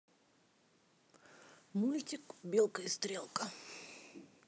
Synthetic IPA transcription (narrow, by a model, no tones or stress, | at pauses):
mulʲtʲɪkbʲelˠkəjɪst̪ɾʲelˠkə